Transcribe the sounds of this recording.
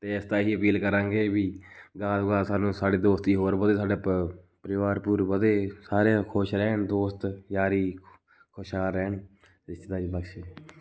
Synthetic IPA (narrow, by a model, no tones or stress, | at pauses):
t̪eːɪst̪aːɦiːəpiːlkəɾãːŋɡeːbiːɡaːd̪ɡaːsaːnũːsaːɖeːd̪oːst̪iːɦoːɾbəd̪eːsaːɖaː | pəɾɪʋaːɾpuːɾbəd̪eːsaːɾakʰoʃɾɛːɳd̪oːst̪jaːɾiː | kʰoʃaːɾɛːɳ | ɪst̪ːd̪aːibəkʃe